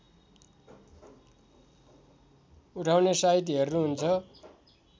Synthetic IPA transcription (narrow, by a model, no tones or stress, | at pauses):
uʈʰawnesait̪̬iɦʌrnuɦunt͡sʰʌ